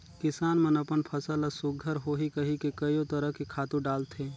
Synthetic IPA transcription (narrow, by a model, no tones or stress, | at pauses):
kɪsaːnmənɐpənpʰəsələsʊɡɡʱəɾɦoːɦikəɦikekɐjot̪əɾəɦkekʰaːt̪uɖaːlt̪ʰeː